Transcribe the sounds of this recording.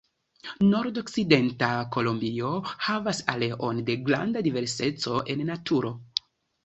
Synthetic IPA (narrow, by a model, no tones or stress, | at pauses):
no̞ɾdo̞kside̞ntako̞lombio̞havasale̞ʔo̞nde̞ɡɾa̰ndadive̞ɾse̞t͡so̞ʔe̞nːatuɾo̞